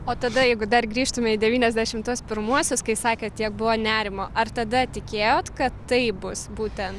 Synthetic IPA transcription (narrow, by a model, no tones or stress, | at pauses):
oːt̪ɐd̪ɐjɛɪɡʊd̪ɐrɡɾʲiːʃt̪ʊmʲɛid̪ʲɛʋʲiːnʲɛzʲd̪ʲæʃʲɪmt̪uɔspʲɪɾmuɔsʲoːskɐɪsɑːkʲeːt̪ʲiɛk̚bʊʋoːnʲæːɾʲɪmoːʔɐrt̪ɐd̪ɐt̪ʲɪkʲeːjoːt̪kɐt̪ːɐɪbʊsbuːt̪ʲɛnt